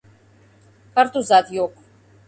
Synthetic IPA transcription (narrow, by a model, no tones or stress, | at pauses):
kʰaɾt̪ʼuzad̪jɔkʰʼ